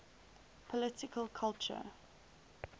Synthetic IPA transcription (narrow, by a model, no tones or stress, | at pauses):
pʰɔlɪtɪkʰəlkʰalt͡ʃə̰